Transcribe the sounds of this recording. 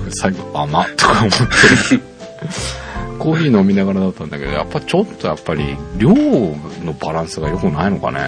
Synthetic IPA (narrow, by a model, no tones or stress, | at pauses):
saiɡo̞amat̪o̥kamot̪ʰːe | koːɦiːno̞mʲinaɣaɾad̪at̪ːãnd̪ake̞d̪oja̰pːait͡ɕo̞t̪ːo̞japːaɾʲḭɾʲoːno̞baɾãɰ̃sɨɡajo̞kɯ̟naino̞ka̰nḛ